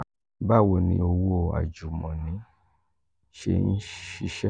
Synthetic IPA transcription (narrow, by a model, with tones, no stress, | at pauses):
ba˦˨wo˧˨nĩ˧˦o˧wo˦˨a̰˨d͡ʒu˨mɔ̃˨nĩ˨˦ | ʃḛ˧˦n̩˦ʃi˦ʃɛ˦